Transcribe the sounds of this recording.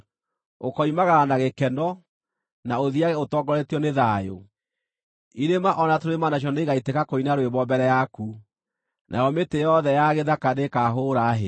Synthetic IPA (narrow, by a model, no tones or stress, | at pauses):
okɔimaɣaɾanaɣekɛnɔ | naoðiaɣɛotɔːŋɡɔɾɛtiɔneðaːjo̰ | iɾemaʔɔnatoɾemanaʃ̬ɔneɣaitekakoinaɾoeβɔbɛɾɛjaku | nʔa̰jɔmetejɔðɛjaɣeðakadekaːɦoːɾaːɦe